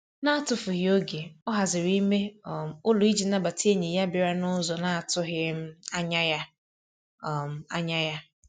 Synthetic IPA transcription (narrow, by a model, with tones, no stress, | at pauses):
na˦a˨tʊ˨fʊ˨ɦɪ˨o˦ɡe˨ɔ˦ɦa˨zɪ˨ɾi˦me˦˨m̩˨ʊ˦lʊ˨i˦d͡ʒi˨na˦ba˨ti˦e˦ɲe˨ja˦bɪ˨ɾa˦nʊ˦zɔ˨na˦a˨tʊ˦ɦɪ˦m̩˦a˦ɲa˦ja˦˨ | m̩˨a̰˦ɲa˦ja˦